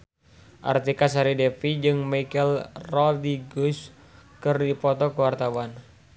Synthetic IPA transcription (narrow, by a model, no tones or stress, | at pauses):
ʔa̰rt̪ikas̬aɾidɛfid͡ʒɨŋmakɛlrɔldiɡus | kɨrdipɔt̪ɔkəwart̪awan